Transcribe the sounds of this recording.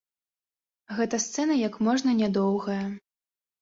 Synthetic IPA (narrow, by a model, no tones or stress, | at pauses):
ɣɛt̪ɐst̪sɛnɐjɐkmɔʐnɐnʲad̪ɔwɣɐjɐ